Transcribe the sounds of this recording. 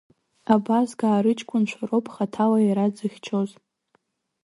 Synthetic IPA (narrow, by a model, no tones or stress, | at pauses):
abazɡaːɾɨt͡ʃʰʼkʷʰʼʊnʃʷʰarowpʰʼχatʰalaiɾad͡zɨχʲt͡ʃʰoz